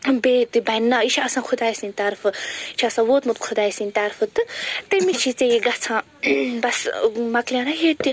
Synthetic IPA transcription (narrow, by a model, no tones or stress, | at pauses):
beːt̪ɨbɐjnːait͡ʃʰɐsãːkʰʊd̪aːjsinʲt̪aɾfɨit͡ʃʰasãːwoːt̪mut̪kʰud̪aːisinʲt̪aɾfɨt̪ɨt̪emit͡ʃʰit͡seiɡɐt͡sʰãː | bɐsmɐklʲijãnaɦet̪i